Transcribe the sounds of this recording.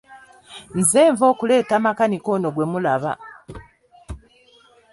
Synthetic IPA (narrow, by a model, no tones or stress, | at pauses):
nzeːɱvo̞ːkule̞ːtaːmakaniko̞ːno̞ɡwemulaβa̰